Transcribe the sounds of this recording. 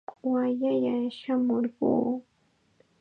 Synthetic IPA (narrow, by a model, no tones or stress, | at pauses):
waʎajaʃamoɾɢṵː